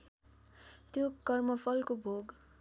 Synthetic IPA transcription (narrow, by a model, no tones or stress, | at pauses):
t̪jokʌrmʌpʰʌlkobʱoɡ